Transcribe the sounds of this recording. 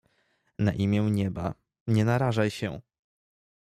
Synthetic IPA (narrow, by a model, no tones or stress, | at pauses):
na̰ʔimʲjɛ̃ɲɛba̰ | ɲɛnaɾaʐajɕɛ̰